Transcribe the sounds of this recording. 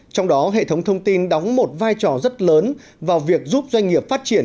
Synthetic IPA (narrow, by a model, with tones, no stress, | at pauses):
t͡ɕɔ˧wŋ͡mɗɔ˨˦ɦḛ˧˨t̪ʰə˨˦wŋ͡mt̪ʰə˧wŋ͡mt̪i˧nɗa˨˦wŋ͡mmo˨˩t̚vaː˧jt͡ɕɔ˧˩zə˦˥t̚ləː˨˦n | vaː˨˩wvi˨˩ək̚zuː˦˥p̚zwa˧jŋ̟ŋi˨˩əp̚faː˦˥t̚t͡ɕi˧˩ən